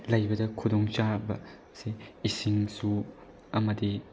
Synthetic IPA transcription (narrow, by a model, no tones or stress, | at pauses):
lɐjbɐdɐkʰudɔŋt͡ʃabɐ | seisiŋsu | ɐmɐdi